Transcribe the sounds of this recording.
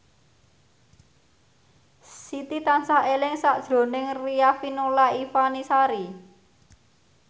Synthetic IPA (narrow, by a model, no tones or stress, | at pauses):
sit̪it̪ansaɦelɪŋsaʔd̥ʒ̥ɾo̤nɪŋriafinolaifanisaɾi